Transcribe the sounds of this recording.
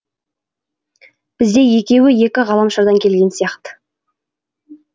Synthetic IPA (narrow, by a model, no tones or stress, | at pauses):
b̥ɪzd̪e̞je̞kʲe̞wɪje̞kʲɪʁɑlˠɑmʃɑɾd̪ɑŋkʲʰe̞lɡʲe̞nsijɑqt̪ə̥